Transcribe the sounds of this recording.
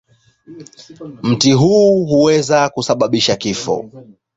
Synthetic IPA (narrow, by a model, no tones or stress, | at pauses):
m̩tiɦuːɦuwɛzakusaɓaɓiʃakifɔ̰